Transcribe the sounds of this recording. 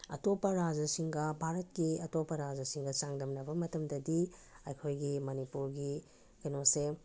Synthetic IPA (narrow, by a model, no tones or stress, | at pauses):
ɐ̰topɐɾad͡ʒɐsiŋɡɐbʱaɾɐtkiɐtopɐɾad͡ʒɐsiŋɡɐt͡ʃaŋdɐmnɐbɐmɐtɐmdɐdi | ɐjkʰojɡimɐnipuɾɡi | kɐnose